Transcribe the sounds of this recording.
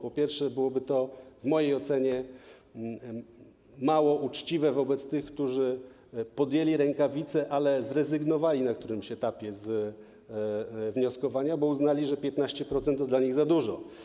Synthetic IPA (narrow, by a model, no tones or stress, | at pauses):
pɔpʲjɛɾfʂɛbɘwɔbɘt̪ɔvmɔjejɔt̪sɛɲɛ | mawɔʔut͡ʂt͡ɕivɛvɔbɛt̪st̪ɘxkt̪uʐɘ | pɔd̪jɛlʲiɾɛŋkavʲit̪sɛʔalɛzɾɛzɘɡnɔvalʲinakt̪uɾɘmɕɛt̪apʲjɛz | vɲɔskɔvaɲabɔuznalʲiʐɛpʲjɛt̪naɕt͡ɕɛpɾɔt̪sɛnt̪t̪ːɔd̪laɲiɣzad̪uʐɔ